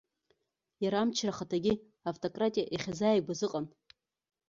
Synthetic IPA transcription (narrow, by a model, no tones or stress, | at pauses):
jaɾamt͡ʃʰraχatʰaɡʲi | awtʼokʼratʼijaʔiχʲazaːjbʷazɨqʼan